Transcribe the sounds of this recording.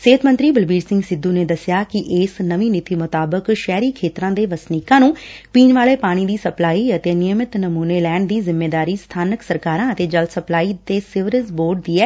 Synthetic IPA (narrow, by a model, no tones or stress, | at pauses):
seːt̪mə̃nt̪ɾiːbəlbiːɾsɪ̃ŋɡsɪd̪ːuːneːd̪əsɪjaːkɪʔɪsnəʋiːnɪt̪iːmʊt̪aːbəkʃɛːɾiːkʰeːt̪ɾãːd̪eːʋəsniːkãːnũːpiːnʋaːleːpaːɽ̃iːd̪iːsəplaːiːət̪eːnɪjəmɪt̪nəmuːneːlɛːɳd̪iːzɪmːeːd̪aːɾiːst̪ʰaːnəksəɾkaːɾãːət̪eːd͡ʒəlt̪səplaːiːt̪eːsɪʋɾəzboːɾɖ̚d̪iːɛː